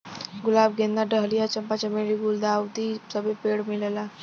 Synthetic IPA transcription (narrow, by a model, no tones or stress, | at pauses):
ɡʊlaːb̚ɡẽnd̪aɖəɦlijat͡ʃɐmpat͡ʃɐmeːɾiɡuld̪aːwt̪isəbepeːɽmɪlelaː